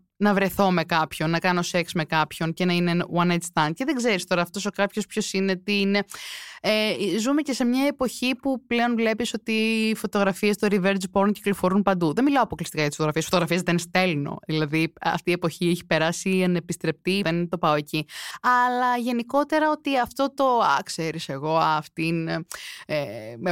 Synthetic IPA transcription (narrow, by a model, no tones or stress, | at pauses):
nɐvɾeθo̞me̞kɐpço̞nːɐkɐno̞se̞ksme̞kɐpço̞nce̞nɐinewɐnet̪st̪ɐnd̪̚ce̞ðeɡzeɾist̪o̞ɾɐːft̪o̞sokɐpço̞spço̞sine̞t̪ineezume̞ce̞se̞mɲɐepo̞çipupleo̞nvle̞piso̞t̪iːfo̞t̪o̞ɣɾɐfiest̪oɾiveɾd͡ʒpoɾunci̥klo̞fo̞ɾunpɐnd̪uðenmilɐoɐpo̞klist̪ikɐjɐt̪isfot̪ɣɾɐfiesfot̪oɾɐfiezðenst̪e̞lno̞̰ðilɐðiɐ̰ft̪iepo̞çieçi̥pe̞ɾɐsiɐnepist̪ɾe̞p̚t̪iðent̪o̞pɐo̞e̞ciɐlɐʝe̞niko̞t̪e̞ɾɐo̞t̪iɐft̪o̞t̪o̞ɐ̰kse̞ɾise̞ɣo̞ɐft̪in | e